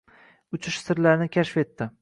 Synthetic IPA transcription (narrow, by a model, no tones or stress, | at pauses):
ʊt͡ʃʰɪʃsɪɾlaɾnɪkʲʰaʃfe̞t̪ːɪ